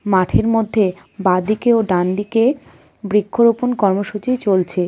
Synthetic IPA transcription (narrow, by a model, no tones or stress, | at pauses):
maʈʰeɾmod̪ʱːe | bad̪ikeoɖand̪ike | bɾikʰːoɾoponkɔɾmoʃut͡ɕit͡ɕolt͡ɕʰe